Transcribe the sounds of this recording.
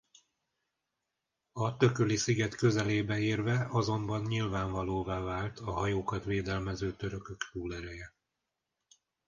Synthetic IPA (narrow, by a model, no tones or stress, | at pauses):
ɒt̪ø̞kølisiɡɛt̪kø̞zɛleːbɛeːrvɛɒzo̞mbɒnɲilvaːɱvɒloːvaːvaːlt̪ʰɒɦɒjoːkɒt̪ʋeːd̪ɛlmɛzøːt̪øɾøkøkt̪uːlɛɾɛjɛ